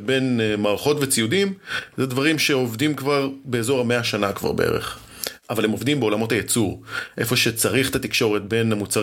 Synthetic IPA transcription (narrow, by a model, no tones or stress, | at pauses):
benmaːʁaχo̞tvet͡sijudimzedvaʁimʃe̞o̞vdimkvaʁbe̞ːzo̞ʁameaʃanakva̰ʁbeʔḛʁḛχ | ʔavalemo̞vdimbeo̞lamo̞thajet͡suʁʔe̞̰fo̞ʃet͡saʁiχt̪at̪ikʃo̞ʁetbe̞namut͡saʁ